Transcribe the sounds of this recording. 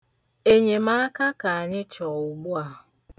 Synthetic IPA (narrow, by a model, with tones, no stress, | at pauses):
e˨ɲe˨ma˦a˦ka˦ka˨a˨ɲɪ˦t͡ʃɔ˨ɣʊ˨ɡ͡bu˦a˨ɦʊ˨